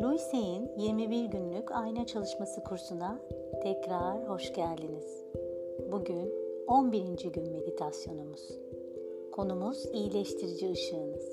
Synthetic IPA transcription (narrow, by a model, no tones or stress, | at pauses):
lʲujse̞jinjiɾmibiɾɟynlʲycʰajnat͡ʃʰalˠɯʃmasɯkʰuɾsuna | t̪ʰɛcɾaɾho̞ʃɟæɾd̪iniz̥ | buɟyno̞nbiɾind͡ʒiɟynme̞d̪it̪ʰasjo̞numuz̥ | kʰo̞numuz̥ijilʲɛʃt̪ʰiɾid͡ʒiɯʃɯːnɯz̥